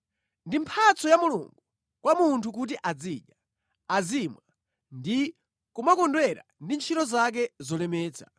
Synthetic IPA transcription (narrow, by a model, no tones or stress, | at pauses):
ndimpʰat͡sɔjamulṵŋɡu | kwamuntʰukut̬iʔad͡ziʄa | azimwa | ndi | kumakɔndwɛɾa̰ndint͡ʃʰitɔzak̬ɛzɔlɛmɛːt͡sʰḁ̰